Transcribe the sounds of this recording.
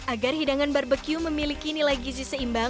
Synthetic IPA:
ʔaɡarhidaŋanbarbəkjuməmilikinilaɡizisəimba

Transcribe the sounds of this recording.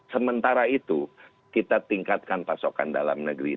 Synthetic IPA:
səmənt̪aɾait̪u | kit̪at̪iŋkat̪̚kanpasoka̰nda̰la̰mnəɡɾḭ

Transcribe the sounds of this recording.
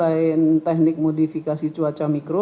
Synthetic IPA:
aɪnt̪ɛk̚nɪk̚modifikasit͡ʃuat͡ʃamikɾo

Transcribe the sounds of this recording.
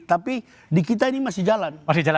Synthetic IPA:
t̪api | dikit̪̬ainimasid͡ʒalanmasid͡ʒala

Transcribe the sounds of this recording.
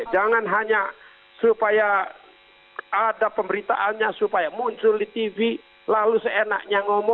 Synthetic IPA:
d͡ʒaŋanɦaɲa | supaja | adapəmbəɾit̪a̰ʔanɲasupajamuɲt͡ʃʊldit̪ivi | lalusəena̰k̚ɲaŋɔmɔ

